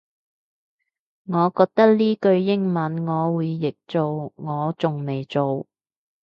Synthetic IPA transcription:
ŋɔː˨˧kɔː˧k̚t̪ɐ˥k̚liː˥kɵ˧ɥjɪ˥ŋmɐ˨˧˥nŋɔː˨˧wuː˨˧jːɪ˨k̚t͡so˨wŋɔː˨˧t͡sʊ˨ŋme˨jt͡so˨w

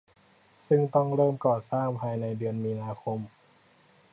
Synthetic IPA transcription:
sɯ˥˩ŋt̪ɔ˥˩ŋɾɤː˥˩mkɔː˨˩saː˥˩ŋpʰaː˧jna˧jdɯ˧ənmiː˧naː˧kʰo˧m

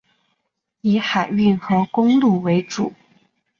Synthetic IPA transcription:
i˧˥xa˨˩ɪy˥˩nxɤ˧˥kʊ˥ŋlu˥˩we˧˥ɪʈ͡ʂu˨˩˦

